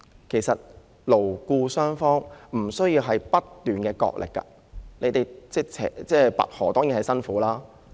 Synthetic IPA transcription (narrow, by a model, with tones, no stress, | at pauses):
kʰe˨˩jsɐ˨t̚ | lo˨˩wkuː˧sœː˥ŋfɔː˥ŋm̩˨˩sɵ˥jiː˧wɦɐ˨jpɐ˥t̪ːyː˨nkɛː˧kɔ̰ː˧k̚lʔɪ̰˨˩kːɐ̰˧ | le˨˧jt̪e˨jt͡sɛ˥t͡sʰɛ̰ː˨t͡sɛː˥˩pɐ̰˨t̚hɔː˨˩t̪ɔː˥ŋi˨˥nhɐ˨˩jsɐ˥nfuː˨˥laː˥